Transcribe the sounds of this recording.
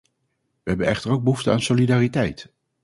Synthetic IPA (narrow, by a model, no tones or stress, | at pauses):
ʋəɦɛbənɛχtəɹowɡ̚bəɦuftəa̰ːnsolidaːritɛjt